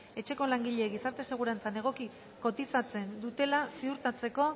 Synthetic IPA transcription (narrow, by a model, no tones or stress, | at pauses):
e̞t͡ʃe̞ko̞laŋɡiʎe̞ɣisaɾt̪e̞se̞ɣ̞uɾant͡sane̞ɣ̞o̞ki | ko̞t̪isat͡se̞nd̪ut̪e̞lasiuɾt̪at͡se̞ko̞